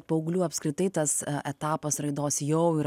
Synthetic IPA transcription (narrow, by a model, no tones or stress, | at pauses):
pɐʊɡlʲuːɐpskɾʲɪt̪ɐɪt̪ɐsɛt̪ɑːpɐsɾɐɪd̪oːsjɛʊɪɾ